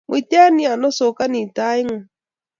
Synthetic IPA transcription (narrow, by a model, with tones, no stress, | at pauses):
mʊ˨i˨tɛ˦a˦ni˦a˨nɔ˦so˨ka˦ni˨ta˦i˦ŋɔ˨